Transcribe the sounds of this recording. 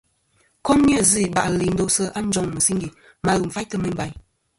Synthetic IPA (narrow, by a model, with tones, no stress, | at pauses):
kɔ˦mni˦ə˦˨zi˦˨ba̰˨ʔli˨n˦do˦sə˦a˦n̩˦d͡ʒɔ˦ŋmə˨si˦ŋɡi˨ | ma˨ɣu˨m̩˨fa˦jtə˦mə˦m˦ba˦j